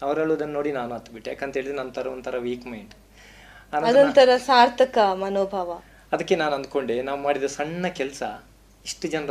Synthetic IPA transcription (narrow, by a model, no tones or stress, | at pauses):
ɐʋɐɾɐɭːuɐd̪ɐnːo̞ːɽinaːnuɐt̪ːbiʈːujaːkent̪ɦeːɭid̪ɾenɐnt̪ʰɐɾɐʋnt̪ʰɐɾɐʋiːkmɐjɳɖ | anɐɐd̪ont̪ʰɐɾɐsaːɾt̪ʰɐkɐmɐnoːbʱaːʋɐ | ɐd̪ɐkːenaːnuɐnd̪̚ko̞ɳɖenaːʋumaːɽid̪ɐsɐɳːɐkɛlɐsɐ | iʂʈud͡ʒɐnɐɾ